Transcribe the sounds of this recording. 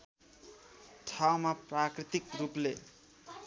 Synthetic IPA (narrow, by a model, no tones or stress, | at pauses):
ʈʰawmaprakrit̪ikruple